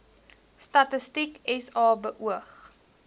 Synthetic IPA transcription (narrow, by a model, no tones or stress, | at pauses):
stɐtəstikɛsɑːbəʔuəχ